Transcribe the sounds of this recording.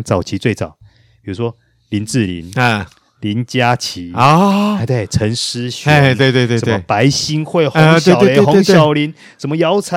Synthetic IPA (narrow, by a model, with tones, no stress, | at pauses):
t͡sɑ˨˩ʊt͡ɕʰi˨˦t͡swe˥˩ɪt͡sɑ̰˨˩˦ʊ | pi˨˩u˦˥ʂwɔ˦ | li˨˧˦nt͡sɹ̩˥˨lḭ˧˦n̩˥˩ | li˨˧˦nt͡ɕja˦t͡ɕʰi˨˦ɔ˥˦˧t̪we˥˩ɪt͡sʰə˧˦ŋʂ̩˦ɕt̪we˥˧ɪt̪we˥˧t̪we˥˧ʂə˧t̪m˥˨˧pa˧˦ɪɕi˥nxwe˥˩ɪxwe˨˧˨e˥˧˨xo˧˥˦ɕjɑ˨˩ʊli˧˦n | ʂə˧˦nmə˧jɑ˨˦ʊt͡sʰa˧˦